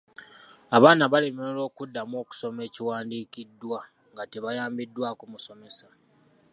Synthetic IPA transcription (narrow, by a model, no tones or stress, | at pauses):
aβaːnaβalemeolo̞ːkudːamo̞ːku̥so̞me̞ːciwaːndiːkidːwa | ŋɡateβajaːmbidːwaːkumuso̞me̞sa